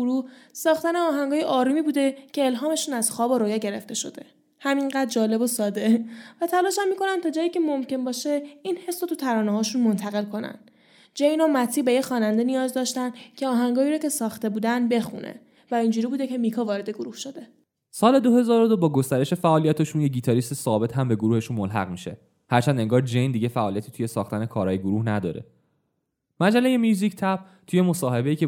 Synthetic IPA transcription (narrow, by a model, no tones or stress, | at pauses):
ɾuhsɒːxt̪æneɒːɦæŋɡɒːjeʔɒːɾuːmibuːd̪e̞cʰe̞ːlɦɒːme̞ʃuːnæz̥xɒːboɾoːjæɟe̞ɾe̞̰ft̪e̞ʃo̞̰d̪e̞ | hæmiŋɢæd̪̚d͡ʒɒːle̞bosɒːd̪e̞væt̪ʰælɒːʃæmːiːko̞nænt̪ʰɒd͡ʒɒːjiːcʰe̞momce̞nbɒːʃeinhe̞sɾot̪ʰut̪ʰæɾɒːneɦɒːʃunmo̞nt̪ʰæɣe̞lkʰo̞næ̰nd̪ | d͡ʒejnomæt̪ʰːiːbe̞jexɒːnænd̪enijɒːzd̪ɒːʃt̪ænd̪cʰe̞ɒːɦæŋɡɒːiːɾɒcʰe̞sɒːxt̪e̞buːd̪ænd̪be̞xṵnʔḛ | væind͡ʒuːɾiːbuːd̪ecʰe̞mikʰɒːvɒːɾe̞d̪e̞ɡoɾuhʃod̪e̞ | sɒːle̞d̪ohe̞zɒːɾod̪obɒːɡost̪æɾe̞ʃe̞fæʔɒːlijæt̪ʰeʃunjeɟiːt̪ʰɒɾist̪esɒːbe̞t̪hæmbe̞ɡoɾuːhe̞ʃunmolɦæ̰ɣmiʃe̞ | hæɾt͡ʃʰænd̪e̞ŋɡɒːɾd͡ʒe̞jnd̪iɟe̞fæʔɒːliæt̪ʰit̪ʰuje̞sɒːxt̪æne̞kʰɒːɾɒːjeɡoɾuhnæd̪ɒ̰ːɾe̞̰ | mæd͡ʒæle̞jemjuːzicʰt̪ʰæp̚ | t̪ʰuje̞mo̞sɒːhe̞beiːcʰe